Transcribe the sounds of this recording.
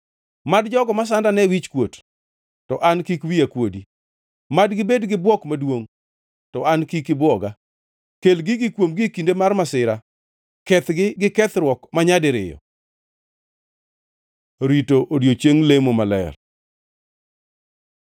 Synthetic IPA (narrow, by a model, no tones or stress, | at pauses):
madd͡ʒɔɡɔmas̬andanɛwit͡ʃkwot | tɔʔankikwiakwodi | madɡɪbedɡɪbwɔkmadwoŋ | tɔankikɪbwɔɡa | kelɡɪɡɪkwomɡɪkindemarmasɪɾa | kɛt̪ɡɪɡɪkɛt̪ɾwɔkmaɲadɪɾɪ̰jɔ̰ | ɾitoʔodjot͡ʃeŋlemomalɛ̰r